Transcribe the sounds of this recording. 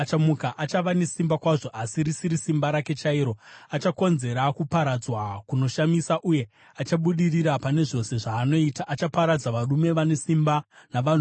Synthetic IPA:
t͡ʃamukaʔat͡ʃaʋane̞simbakwaʐo̞ʔasirisiɾisimbaɾake̞t͡ʃaiɾo̞at͡ʃako̞nze̞ɾakupaɾad͡zwakuno̞ʃamisaʔuje̞ | at͡ʃaɓuɗiriɾapane̞ʐo̞se̞ʐaːno̞itaʔat͡ʃapaɾad͡zaʋarume̞ʋane̞simbanaʋan

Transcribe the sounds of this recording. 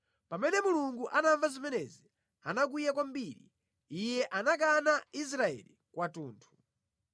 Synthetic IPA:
pamɛnɛmuluŋɡuʔanaɱvazimɛnɛzi | anak̬ujakwambiɾḭ | ijɛʔanakanais̬ɾaɛ̰likwatuːntʰu̥

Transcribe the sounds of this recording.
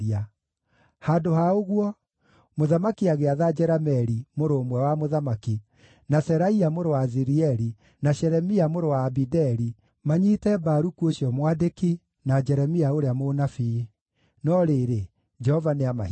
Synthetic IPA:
a | handohaoɣwɔ | moðamakiaɣeaðad͡ʒɛɾamɛɾimoɾoːmwɛwamoðamaki | nasɛɾaiamoɾowaziɾiɛɾi | naʃɛɾɛmiamoɾowaːbidɛɾi | maɲitɛbaɾukuoɕjɔmwadeki | nad͡ʒɛɾɛmiaoɾeamonafi | nɔɾeɾe | d͡ʒɛhɔvaneama

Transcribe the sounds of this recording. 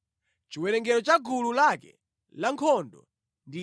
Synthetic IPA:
t͡ʃiwɛɾɛŋɡɛɾɔt͡ʃaɡululakɛ̰ | laŋkʰɔndɔ̰ | ndi

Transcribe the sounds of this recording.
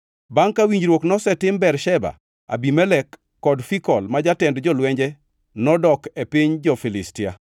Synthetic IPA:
baŋkawiɲd͡ʒɾwoknɔsɛtɪmbɛrʃɛba̰ | a̰bimɛlɛkː | ɔdfikɔlmad͡ʒatɛndd͡ʒɔlwɛɲd͡ʒɛ | nɔdɔkepiɲd͡ʒɔfilɪstia̰

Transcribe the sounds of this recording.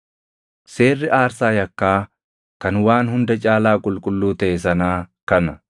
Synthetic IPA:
se̞ːrːɪʔaːɾsaːjɐkːaː | kɐnwaːnhʊnd̪ɐt͡ʃʼaːlaːkʼʊlkʼʊlːuːt̪ɐʔes̬ɐnaːkɐnɐ

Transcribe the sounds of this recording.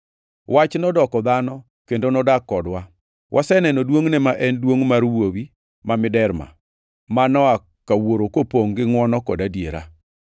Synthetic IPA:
wat͡ʃnɔdɔkɔðanɔ | kendonɔdakɔdwa | wʔasɛnɛnɔdwoŋnɛmaʔɛndwoŋmaɾwowi | mamɪdɛɾma̰ | manɔa | kawoɾokopoŋɡɪŋwɔnɔkɔdadjeɾa̰

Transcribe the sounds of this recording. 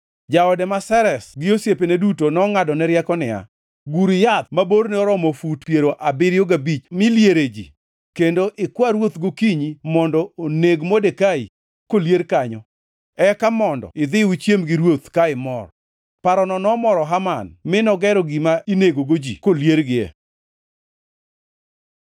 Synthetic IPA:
d͡ʒaɔdɛmasɛɾɛsɡɪosjepenedutonɔŋadɔnɛɾjɛkɔnɪa̰ | ɡuɾɪjat̪maboɾnɛɔɾɔmɔfutpjeɾoʔabɪɾjoɡabit͡ʃmɪljeɾed͡ʒḭ | kendoʔɪkwaɾwot̪ɡokiɲimɔndɔoneɡmodekai | koljeɾkaɲɔ | ɛkamɔndɔ̰ɪd̪ɪut͡ʃjemɡɪɾwot̪kaɪmɔr | paɾɔnɔnɔmɔɾɔɦamanmɪnɔɡɛɾɔɡimaineɡoɡod͡ʒḭkoljeɾɡɪɛ̰

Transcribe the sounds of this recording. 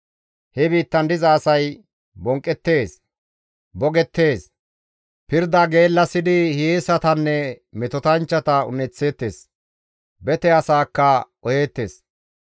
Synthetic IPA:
hɛbiːt̪ːɐnd̪ɪzɐːsɐj | bɔŋkʼːɛt̪ːe̞ːs | bɔɡɛt̪ːe̞ːs | pɪɾd̪ɐɡe̞ːlːɐsɪd̪ɪhɪeːsɐt̪ɐnːɛmɛt̪ɔt̪ɐnt͡ʃːɐt̪ɐʊ̰nɛt͡sːe̞ːt̪ːe̞ːs | bɛt̪ɛɐsaːkːɐʔɔje̞ːt̪ːe̞ːs

